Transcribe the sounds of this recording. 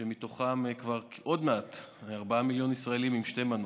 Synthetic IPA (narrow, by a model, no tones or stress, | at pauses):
emito̞χamkvaʁkʔo̞dmeat̪aʁbaamiljo̞nisʁaelimimʃteman